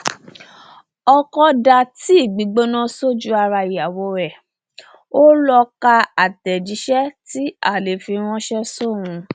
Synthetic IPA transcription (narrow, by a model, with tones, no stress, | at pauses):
ɔ˧kɔ˧da˧ti˦i˦˨ɡ͡bi˨˦ɡ͡bo˦nã˦so˦d͡ʒu˦a˧ɾa˧i˨a˨wo˨˦ɾɛ˦˨ | o˦lɔ˧ka˧a˨tɛ˨d͡ʒi˨˦ʃɛ˦ti˦a˦˨le˨fi˧ɾ̃ɔ̃˦ʃɛ˦so˦˨w̃ũ˧